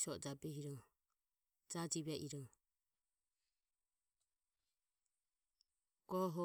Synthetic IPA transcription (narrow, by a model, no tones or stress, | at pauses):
sɔd͡ʒabɛhiɾɔŋ | d͡ʒad͡ʒiβɛʔiɾɔŋ | ɡ̥ɔɦɔ